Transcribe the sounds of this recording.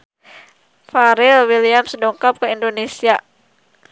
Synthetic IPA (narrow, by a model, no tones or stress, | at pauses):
faɾɪlwiliamsədoŋkap̚kəindonesia